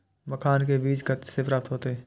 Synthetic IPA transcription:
məkʰaːnkebiːt͡ʃɡət̪sepɾəft̪ɦoːt̪eɦɛː

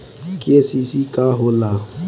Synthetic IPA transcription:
kiesisikaɦʊla

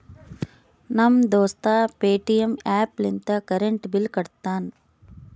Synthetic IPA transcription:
nɐmd̪oːst̪aːpeːʈijemaːplint̪ɐkɐɾeɳʈbilkɐɽt̪aːn

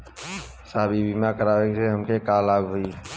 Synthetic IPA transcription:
saːbʱibimakəɾaːʋeseɦəmkekaːlaːɡɦʊi

